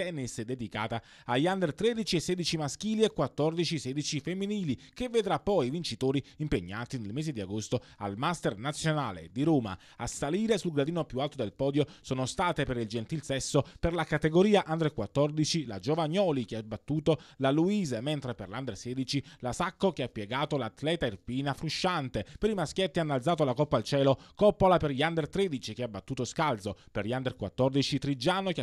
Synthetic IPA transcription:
t̪ɛnːisd̪ed̪ika̰ːt̪a | ajand̪eɾt̪ɾed̪it͡ʃiesːeɛːd̪it͡ʃimask̟iːliekːwat̪ːɔrd̪it͡ʃiseːd̪it͡ʃifemːiniːlikevːed̪ɾapːɔjivint͡ʃit̪oːɾiimpeɲːaːt̪inelmeːzed̪iaɡost̪oa̰lmast̪ernat̪sːjona̰ːlḛd̪iɾoːma̰ | asaliːɾesulɡɾad̪iːnopjualt̪od̪elpɔːd̪josoːnost̪aːt̪epeɾild͡ʒent̪ilsɛsːoperlakat̪eɡoɾiːaʔand̪ɾekwat̪ːɔrd̪it͡ʃilad͡ʒovaɲːɔːlik̟eabːat̪ːuːt̪olaluiːzement̪ɾeperland̪ersɛːd̪it͡ʃilasakːok̟eapːjeɡaːt̪olat̪lɛːt̪airpiːnafɾuʃːant̪epeɾimaskʲjet̪ːianːalt̪zaːt̪̬olakɔpːalt͡ʃɛːlokɔpːolaperʎiand̪ert̪ɾed̪it͡ʃik̟eabːat̪ːuːt̪oskalt̪soperʎand̪erkwat̪ːɔrd̪it͡ʃit̪ɾid͡ʒaːnok

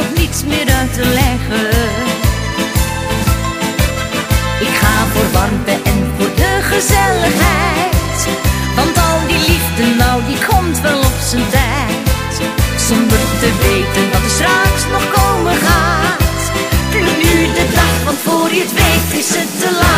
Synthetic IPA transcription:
χnitsmɪːɾœɥtəlɛχə | ɪkχaːvʊːɹbɑrbəʔɛnfʊːɹdəχəzɛləχɦɛjt | ʋɑntɑlˠdilivdənːɔwdikʰɔmtʋɛlɔpsəntɛ | jt | sɔndərtəʋejtəndɑtətstraksnɔχkowməχaːt | nnydədɑχfɑnfʊːrjətʋejktɪsətːəla

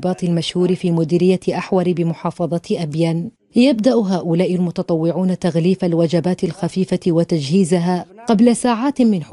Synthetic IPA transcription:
bɑːt̪ˤɪlmaʃhuːɾɪfiːmʊd̪iːɾɪjːaʔaħwɑɾbɪmʊħɑːfɑðˤɑʔabjaːn | jabd̪aʔɦaːʔʊlaːʔɪlmʊt̪ɑt̪ˤɑwːɪʕuːnat̪aɣliːfalwad͡ʒabaːt̪ɪlxafiːfawat̪ad͡ʒhiːzaɦaqɑblasaːʕaːt̪mɪn

